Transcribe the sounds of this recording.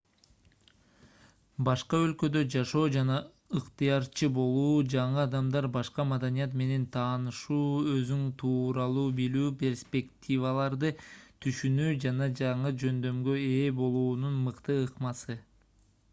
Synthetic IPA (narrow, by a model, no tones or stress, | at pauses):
bɑʃqɑø̞lkø̞d̪ø̞d͡ʒɑʃo̞ːd͡ʒɑnɑ | ɯqt̪ɨjɑɾt͡ʃʰɯbo̞lˠuːd͡ʒɑɴɯɑd̪ɑmd̪ɑɾbɑʃqɑmad̪anijɑt̪me̞ne̞nt̪ʰɑːnɯʃuːø̞zynt̪ʰuːɾɑlˠuːbilyːpʲe̞rspʲe̞kt̪ʲivalˠɑɾd̪ɯt̪ʰyʃynyːd͡ʒɑnɑd͡ʒɑɴɯd͡ʒø̞nd̪ø̞mɡøe̞ːbo̞lˠuːnunmɯqt̪ɯɯqmɑsɯ